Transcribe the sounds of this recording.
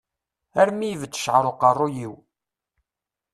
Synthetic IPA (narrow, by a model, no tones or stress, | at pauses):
æɾmijvət͡sːə̥ʃʕəɾˤoqɑrˤːujiw